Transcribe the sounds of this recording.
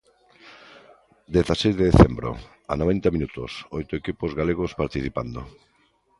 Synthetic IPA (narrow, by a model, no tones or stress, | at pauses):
d̪eθasejzðeðeθembɾo̰ | a̰noβɛnt̪aminut̪ʊ̰sojt̪ʊekipozɣaleɣ̞ospaɾt̪iθipand̪o̰